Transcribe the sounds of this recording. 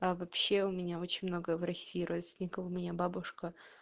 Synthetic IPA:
avɐpɕːeʊmʲɪnʲao̞t͡ɕɪnʲmnoɡəəvɾɐsʲːiːɾʔot̪sʲnʲɪkəvʊmʲɪnʲababʊʂkə

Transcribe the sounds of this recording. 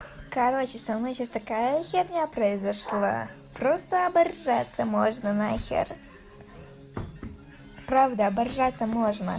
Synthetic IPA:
kɐɾot͡ɕɪsɐmnojɕasʲt̪ɐkajəxʲernʲɛpɾəɪzɐʂlˠa̰ | pɾost̪əɐbɐrʐat̪sːəmoʐnənaxʲḛr | pɾavd̪əɐbɐrʐat̪sːəmoʐnə̰

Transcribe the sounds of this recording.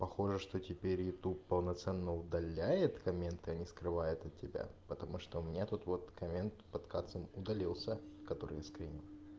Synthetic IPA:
pɐxo̞ʐɨʂt̪otʲɪpʲeɾʲjɪt̪uppəlˠnɐt̪sɛnːəʊd̪ɐlʲːæjɪt̪kɐmʲe̞nt̪ɨɐnʲiskɾɨvajʊt̪ɐt̪̚ʲːɪbʲa̰pət̪ɐmuʂt̪oʊmʲɪnʲat̪ut̪vo̞t̪kɐmʲe̞nt̪pɐt̪kat̪səmʊd̪ɐlʲilˠsʲəkɐt̪o̞̰ɾɨ̰jaskɾʲin

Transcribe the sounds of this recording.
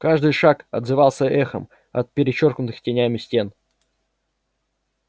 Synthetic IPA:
kaʐd̪ɨjʂakɐd̪zɨvalˠsʲəʔɛxə̰m | ɐ̰t̪̚pʲɪɾʲɪt͡ɕorknʊt̪ɨxtʲɪnʲæmʲɪsʲtʲe̞n

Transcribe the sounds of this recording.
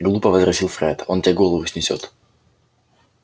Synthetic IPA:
ɡlˠupɐvɐzɾɐsʲilˠfɾʲɛt̪ɔntʲɛɡɔlˠɔvusʲnʲɪsʲɔ̰t̪

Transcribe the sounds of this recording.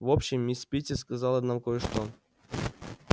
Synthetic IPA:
vopɕɪmːʲisʲpʲitʲɪskɐzɑlˠənamkojəʂt̪o

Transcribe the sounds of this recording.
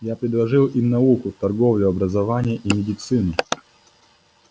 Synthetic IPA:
japɾʲɪd̪lˠɐʐɨlˠimnɐukʊt̪ɐrɡovlʲʊɐbɾəzɐvanʲɪjəʔimʲɪdʲɪt̪sɨnɨ

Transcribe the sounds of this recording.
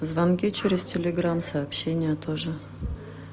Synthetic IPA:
zvɐnkʲit͡ɕeɾʲɪstʲɪlʲɪɡɾamsɐːpɕːenʲɪjət̪oʐɨ

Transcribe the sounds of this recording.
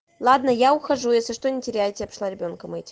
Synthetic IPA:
lˠad̪nəjaʊxɐʐujesʲlʲɪʂt̪onʲɪtʲɪɾʲæjtʲɪɐpʂlˠaɾʲɪbʲo̞nkəmɨtʲ

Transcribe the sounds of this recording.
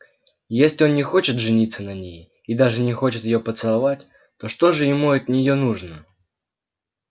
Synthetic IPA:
jesʲlʲɪo̞nnːʲɪxo̞t͡ɕɪt̪ʐɨnʲit̪sːənɐnʲej | id̪aʐɨnʲɪxo̞t͡ɕɪt̪jɪjo̞pət̪sɨlˠɐvatʲ | t̪o̞ʂt̪o̞ʐɨjɪmuɐt̪nʲɪjo̞nuʐnə

